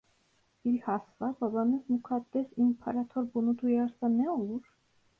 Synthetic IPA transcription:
iɾhɑsvabɑbɑnɛsmukʰɑt̪ːɛsimpʰɑ̰ɾɑt̪ʰɔɾbunud̪ujɑɾsanɛuɾ

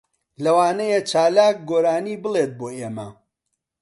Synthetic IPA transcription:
lɐwaːnɐjet͡ʃaːlaːk̚ɡoːɾaːniːbɨlˠeːt̪̚boːʔeːmɐ̰

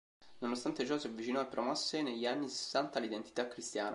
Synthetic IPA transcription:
nonost̪ant̪et͡ʃɔsiavːit͡ʃinɔepːɾomɔsːeneʎːianːise̥sːant̪alid̪ent̪i̥t̪akːɾist̪ja̰ːn

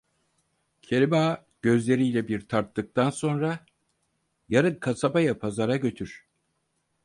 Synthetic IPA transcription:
cʰe̞lʲimaː | ɟ̥ø̞zlʲe̞ɾijlʲɛbiɾt̪ʰaɾt̪ːɯk̚t̪ʰanso̞nɾa | jaɾɯnkʰasabajapʰazaɾaɟø̞t̪ʰyɾ̥

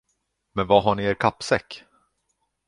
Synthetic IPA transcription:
mɛnvaɦaɳɪeːɾkʰapːsɛkː

